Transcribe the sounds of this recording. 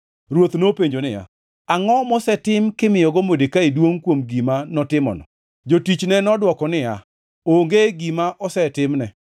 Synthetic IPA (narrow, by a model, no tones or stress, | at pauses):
ɾwot̪nopeɲd͡ʒonɪja̰ | aŋɔmɔsɛtɪmkɪmɪjɔɡɔmodekaidwoŋkwomɡimanɔtɪmɔ̰nɔ̰ | d͡ʒotit͡ʃnɛnɔdwɔkɔnɪja̰ | oŋɡeɡimaʔɔsɛtɪmnɛ